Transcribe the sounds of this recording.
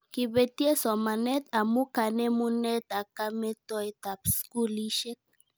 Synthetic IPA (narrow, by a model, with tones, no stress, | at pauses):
ki˨be˨ti˦e˦sɔ˨ma˨nɛ˦t̪a˨mu˦ka˨ne˦mu˦nɛ˦t̪a˨ka˦mɛ˦tɔ˦jta˨psku˦li˦ʃe˦k̚